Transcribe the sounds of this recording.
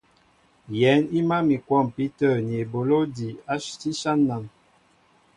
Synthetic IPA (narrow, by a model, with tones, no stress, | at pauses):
jɛ˨˦ni˦ma˦mi˨kwɔ˦˨mpi˦tə˦˨n˨e˨bo˨lo˦di˨a˦ti˦ʃa˦nːa˨n